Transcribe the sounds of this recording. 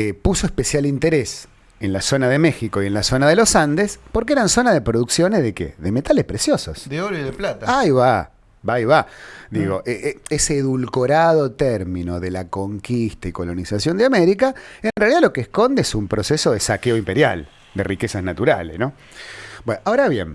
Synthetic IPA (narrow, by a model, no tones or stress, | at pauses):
epusoehpesjalint̪eɾes | enlaso̞naðemexikoie̞nlasonað̞elosand̪espo̞ɾk̬eeɾanso̞naðepɾoðuksjo̞nezðekḛðemet̪alehpɾesjoso̰sd̪eoɾoiðeplat̪aajβa | baiβad̪iɣo̞ʔeʔeseːðulkoɾað̞ot̪ɛɾmino̞ðelako̞ŋkist̪aiko̞lo̞nisasjo̞nd̪eameɾikaenrealiðalokeːsko̞nd̪eesumpɾoseso̞ð̞esakeoimpe̞ɾja̰l | d̪ḛrikesaznat̪uɾa̰lesno | bwenaoɾaβjḛn